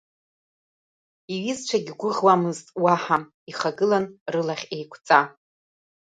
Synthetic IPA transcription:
iɥizt͡ʃʷʰaɡʲɡʷʊʁwamɨztʼwaħa | iχaɡɨlanrɨlaχʲe̞jkʷʰt͡sʼa

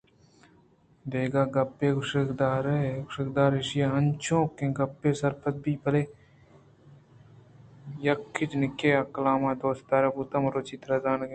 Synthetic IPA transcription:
d̪eːɡaːɡɐpːeːɡʊʃkd̪aːɾeɡʃəkd̪aːɾɪʃjaːɐnt͡ʃʰõːkːẽːɡɐpːeːsɐɾpʰət̪̚biːpɐleː | jɐkʰːɪt͡ʃnɪkːeːɐkɐlaːmãːd̪oːst̪aːɾebuːt̪ɐmɾoːt͡ʃit̪ɾɐːzaːnɡe

